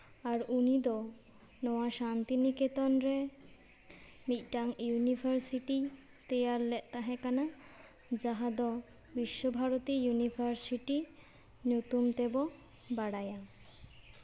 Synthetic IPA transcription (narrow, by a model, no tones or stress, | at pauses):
aɾunid̪ɔ | nɔwaʃant̪iniket̪ɔnɾe | miʈaŋjunibʱaɾsiʈi | t̪ejaɾlɛʔt̪aɦɛkana | d͡ʑaɦad̪ɔ | biʃːobʱaɾot̪ijunibʰʱaɾsiʈi | njut̪umt̪ebo | baɽaja